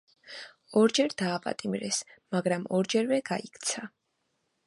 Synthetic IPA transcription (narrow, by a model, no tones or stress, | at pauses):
ɔɾd͡ʒɛɾd̪aːpʼa̰t̪ʼimɾɛsmaɡɾamɔɾd͡ʒɛɾvɛɡ̥aikʰt̪sʰa